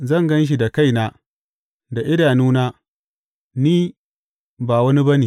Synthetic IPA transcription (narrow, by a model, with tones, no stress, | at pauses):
zɐ˦˨ŋɡɐ˦nʃ̬i˨da˨ka˦˨jnaː˦ | da˨ʔɪ˦daː˨nuː˦naː˦ | niː˦ | baː˨wɐ˦ni˦bɐ˦niː˨